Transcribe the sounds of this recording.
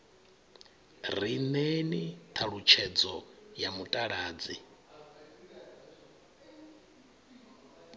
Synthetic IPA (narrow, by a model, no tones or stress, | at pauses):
rinenit̪ʰaɺut͡ʃʰɛd͡zɔjamutʼaɺaːd͡zi